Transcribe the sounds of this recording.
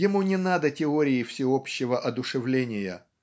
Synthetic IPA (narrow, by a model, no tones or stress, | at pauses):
jɪmunʲɪnad̪ətʲɪoɾʲɪjɪfsʲɪopɕːɪvəʔɐd̪ʊʂɨvlʲenʲɪjə